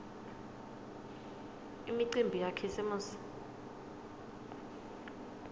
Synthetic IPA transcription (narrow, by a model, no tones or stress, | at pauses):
imiǀimbʱijakʰɛsɛmuːs